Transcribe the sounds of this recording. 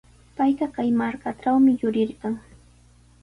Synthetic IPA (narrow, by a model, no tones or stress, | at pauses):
pajɢɑkajmaɾkaʈ͡ʂawmɪjʊɾɪɾɢɑŋ